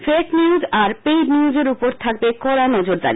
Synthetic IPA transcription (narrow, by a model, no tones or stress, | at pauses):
fekniuzaɾpejɖniud͡ʑeɾupoɾt̪ʰak̚bekɔɾanɔd͡ʑoɾd̪a̰ɾi